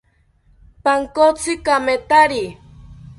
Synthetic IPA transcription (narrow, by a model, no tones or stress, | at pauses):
paŋkot͡sikamet̪aɾi